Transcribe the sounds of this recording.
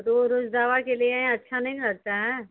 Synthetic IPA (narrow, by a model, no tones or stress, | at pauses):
t̪oɾod͡ʒd̪aːʋakelieɐtːʃʰanɐɦĩɾɐɡ̚t̪aɦɛː